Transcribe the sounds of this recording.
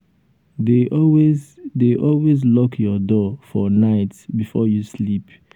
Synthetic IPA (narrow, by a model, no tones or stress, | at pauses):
deɔwezdeʔɔlwezlɔkʰjɔdɔfɔnaɪtbifɔjuslip